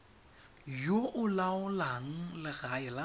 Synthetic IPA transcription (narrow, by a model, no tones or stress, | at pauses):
joʔʊlaʊlaŋ̩lɪɣaɛla